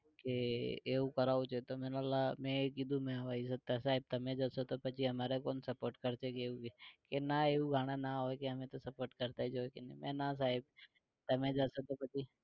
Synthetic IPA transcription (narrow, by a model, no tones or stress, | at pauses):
keeːũkəɾaːot͡ʃʰet̪omẽnalamɛ̃ekid̪ʱũmẽəʋaːisək̚t̪asaːɦɪb̚t̪əmẽd͡ʒasot̪opət͡ʃiɦəmaːɾekoːnsəpoːɾʈkəɾt͡ʃekeːũkekenaeːuɡʱaːɽ̃anaɦoekeəmẽt̪osəpoːɾʈkəɾt̪aɛd͡ʒoekenemɛ̃nas̬aːɦɪb | t̪əmẽd͡ʒaːsot̪opət͡ʃi